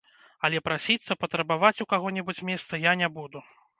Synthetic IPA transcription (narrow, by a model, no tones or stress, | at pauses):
ɐlʲɛpɾasʲit̪sːɐpɐt̪ɾɐbavat͡sʲukaɣɔnʲɛbut͡sʲmʲɛst̪sɐjanʲɛbud̪u